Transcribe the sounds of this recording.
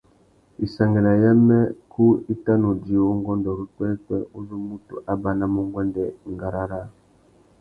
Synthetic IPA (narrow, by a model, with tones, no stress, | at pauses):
i˨sa˨ŋɡɛ˨la˨jɛ˦mɛ˦kʰu˦i˦ta˦no˨di˨˦˨wɔ˦ŋɡɔ˦ndɔ˨ɾi˦kwɛ˦kwɛ˦u˦zu˦mu˦tṵ˨ʔa˦ba˦na˦mo˦ŋɡwɛ˦ndɛ˦˨ŋɡa˨ɾa˦ɾa˦˨